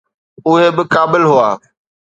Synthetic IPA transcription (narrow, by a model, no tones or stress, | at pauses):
ʊɦebɪkaːbɪlɦʊaː